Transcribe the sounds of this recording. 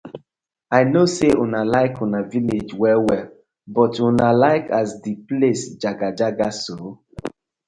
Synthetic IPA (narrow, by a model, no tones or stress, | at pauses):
aɪnoseʔunalaɪkʰunaviled͡ʒwɛwɛl | bɔtunalaɪkasdiplesd͡ʒaɡad͡ʒaɡaso